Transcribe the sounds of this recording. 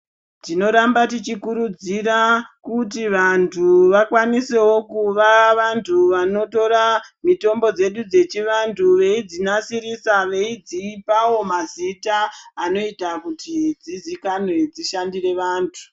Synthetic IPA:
tino̞ɾambatit͡ʃikuɾud͡zirakutiʋantʰuʋakwanise̞wo̞kuʋaʋantʰuʋano̞to̞ɾamito̞mbo̞d͡ze̞ɗud͡ze̞t͡ʃiʋantʰuʋe̞id͡zinasiɾisaʋe̞id͡ziːpawo̞mazitaːno̞itakutid͡zizikanwe̞d͡ziʃandire̞ʋaːntʰu̥

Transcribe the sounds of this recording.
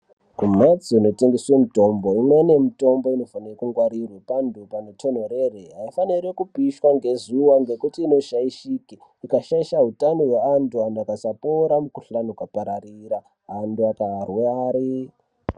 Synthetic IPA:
kumet͡siːno̞te̞ŋɡeswe̞mito̞mbo̞imwe̞ne̞mito̞mbo̞ino̞fanirekuŋɡwaɾirwepandupanetʰo̞n̤o̞ɾereɦaifaniɾekupiʃwaŋɡe̞zuwaŋɡe̞kutiːno̞ʃaiʃiki | ikaʃaiʃaɦutanowe̞anduandakasapoɾamukuɬanukapaɾariɾa | anduakarweaːɾi

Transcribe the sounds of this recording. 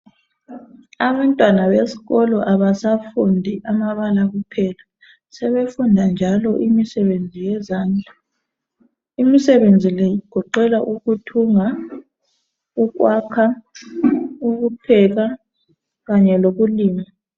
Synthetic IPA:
aβantʼwanaβesi̥ɣɔlɔʔaβasafundʱiʔamaβalaɣupʰɛːla | sɛβefundʱand͡ʒʱalɔʔimisɛβend͡zʱijɛzaːnd͡ɮʱa | imisɛβend͡zʱilɛjiɡ̥ʱɔǃɛlaʔuɣutʰuŋa | uɣwakʰa | uɣupʰɛɣa | ɣaɲɛloɣuliːma

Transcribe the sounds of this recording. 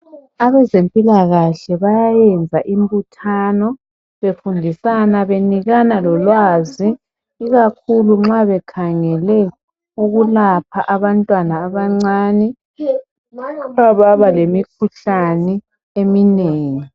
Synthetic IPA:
aβɛzempʼilaɣaɬɛβajajɛnd͡zʱaʔimbutʰaːnɔ | βefundʱisanaβeniɣanalɔlwaːziː | ɣakʰuluŋ͡ǁaβɛkʰaŋɛlɛ | uɣulapʰaʔaβantʼwanaːβaŋ͡ǀaːnɛ | aβaβalemikʰuɬanɛ | emineːŋi

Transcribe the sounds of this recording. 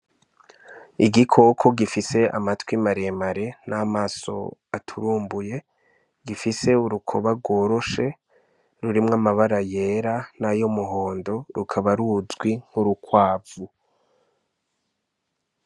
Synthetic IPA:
iɡikʰo̞kʰo̞ɡifise̞a̰matwimaɾe̞maɾe̞namaːso̞̰atʰuɾuːmbuje̞ | ɡifise̞uɾukʰo̞̰βaɡo̞ːɾo̞ʃe̞ | ɾuɾimŋamaβaɾaje̞ɾanajomuɦo̞ːndo̞ɾukʰaβaɾuzɡwiŋ̥uɾukwaːvu

